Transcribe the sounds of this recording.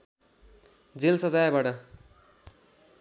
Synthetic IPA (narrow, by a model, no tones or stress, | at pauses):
d͡zelsʌd͡zajbaʈʌ